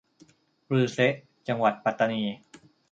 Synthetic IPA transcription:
ɾɯː˧se˦˥ʔ | t͡ɕa˧ŋwa˨˩t̪̚pa˨˩t̪ːa˧niː˧

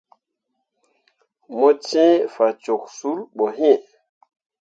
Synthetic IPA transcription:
mo˦t͡ʃẽ˦fa˨t͡ʃo˨k̚su˨˦lɓo˨ɦẽ˦˨

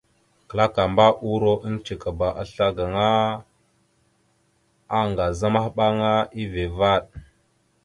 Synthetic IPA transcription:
kə˨la˦ka˨mba˦ʔu˦ɾo˦ʔə˦nt͡ʃi˨ka˨ba˨ʔa˨ɬa˦ɡa˨ŋa˦ | a˦ŋɡa˨za˦ma˦hɓa˦ŋa˦i˦ve˨va˦˨ɗ

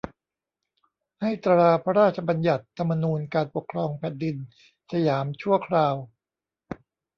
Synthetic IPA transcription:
ha˥˩jt̪a˧ɾaː˧pʰa˦˥ɾaː˥˩t̪̚t͡ɕʰa˧ba˧nja˨˩t̪ʰːa˧mːa˧nuː˧nkaː˧npo˨˩kʰɾɔː˧ŋpʰɛː˨˩t̪̚di˧n | sa˧jaː˩˦mt͡ɕʰu˥˩əkʰɾaː˧w

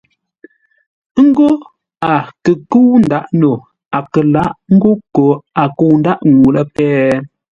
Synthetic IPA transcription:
ŋ̩˦ɡo˦ | a˨kə˨kə˦wn̩˨da˦ʔno˨ | a˨kə˨la˦ʔŋ̩˦ɡo˦ko˨a˨ko˨wn˦da˦ʔŋu˨lə˦pɛː˦

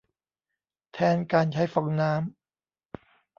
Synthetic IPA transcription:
t̪ʰɛː˧nkaː˧nt͡ɕʰa˦˥jfɔ˨˧˩ŋnaː˦˥m

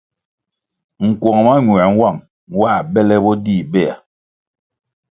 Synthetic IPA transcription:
ŋ̩˨kwɔ˨ŋ˨ma˦ɲwa˨ŋ̩˦wa˦˨ŋ | wa˦˨bɛ˦lɛ˦bɔ˦di˦˨bɛ˦˨a̰˨

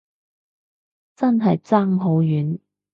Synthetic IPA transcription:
t͡sɐ˥nɦɐ˨jt͡saː˥ŋɦo˨˥wjyː˨˥n

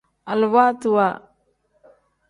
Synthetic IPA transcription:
a˨lwa˦t̪wa˨

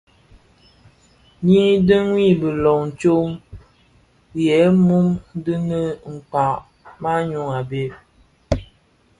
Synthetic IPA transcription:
ɲi˦də˦ŋwi˦˨bə˨lɔ˨ŋn˨t͡ʃo˦ŋ | jɛ˨˦mu˦m˦də˦nə˦ŋ̩˨k͡pa˨ʔ | ma˦ɲu˦ŋa˨be˦

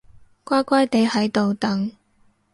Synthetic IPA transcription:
kʷaː˥kʷaː˥jt̪e˨˧˥jhɐ˨˧˥jt̪o˨wt̪ɐ˨˥ŋ

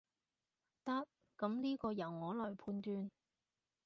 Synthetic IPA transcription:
t̪ɐ˥t̚ | kɐ˨˥mliː˥kɔː˧jɐ˨˩wŋɔː˨˥lɔː˨˩jpʰuː˧nt̪yː˧n

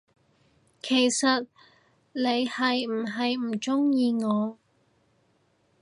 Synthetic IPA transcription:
kʰe˨˩jsɐ˨t̚ | le˨˧jhɐ˨jm̩˨˩ɦɐ˨jm̩˨˩t͡ʃʊ˥ŋjiː˧ŋɔː˨˧

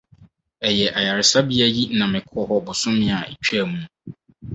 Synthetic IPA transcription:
ɛ˨jɛ˨ʔa˨ja˨ɾɪ˨sa˦bi˦æ˦ji˦nã˨mɪ̃˨kʰʊ˦ɔ˦hɔ˦bʊ˨sʊ̃˦mɪ̃˦a˨ḛ˨t͡ɕᶣʰæ˦˨mũ˦

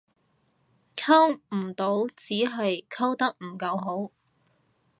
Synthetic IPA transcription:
kʰɐ˥wm̩˨˩t̪o˨˥wt͡siː˨˥ɦɐ˨jkʰɐ˥wt̪ɐ˥k̚m̩˨˩kɐ˧wɦo˨˥w

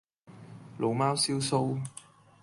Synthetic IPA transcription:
lʔo˨˧wmaː˥wsiː˥wso˥w

